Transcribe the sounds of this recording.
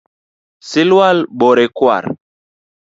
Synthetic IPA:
silwalɓɔɾekwa̰ɾ

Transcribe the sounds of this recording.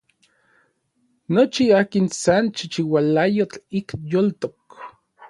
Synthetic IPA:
not͡ʃiaːkinsant͡ʃit͡ʃiwalajot͡ɬikjolt̪ok

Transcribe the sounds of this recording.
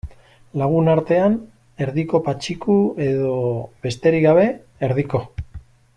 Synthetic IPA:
laɣ̞unaɾt̪e̞an | e̞ɾðiko̞pat͡ʃikue̞ðo̞βe̞st̪e̞ɾiɣɡaβ̞e̞ː | ɾðiko̞

